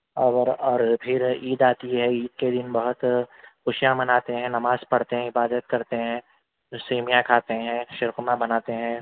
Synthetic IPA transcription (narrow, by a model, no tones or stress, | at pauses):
ɔɾɔːɾpʰɪɾiːd̪aːt̪iɦɛiːd̪ked̪ɪnbɐɦʊt̪xʊʃijãmɐnaːt̪eɦɛ̃nɐmaːzpɐɽt̪eɦɛ̃ɪbaːd̪ət̪kɐɾt̪eɦɛ̃ː | ʊseːmijãkʰaːt̪eɦɛ̃ʃɪɾkʊmãbɐnaːt̪eɦɛ̃ː